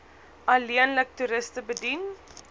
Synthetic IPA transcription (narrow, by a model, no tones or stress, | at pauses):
ʔɐliənlək̚tuɾəstəbədin